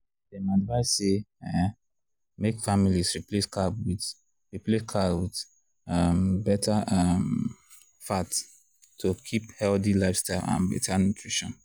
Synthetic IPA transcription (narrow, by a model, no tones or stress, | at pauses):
demadvaɪseɛ | mekfamilisɹipleskabwi | ɹipleskʰawid | ambɛtʰaʌm | fat | tʰːokʰiphɛldilaɪfstaɪlʔã̰nbɛ̰tanutʰɹiʃɔ̰̃n